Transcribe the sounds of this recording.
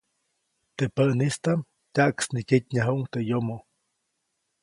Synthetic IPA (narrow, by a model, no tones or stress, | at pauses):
t̪epəʔnist̪am | t̪ʲaʔksnikit̪̚ʲɲaɦuʔŋt̪ejomo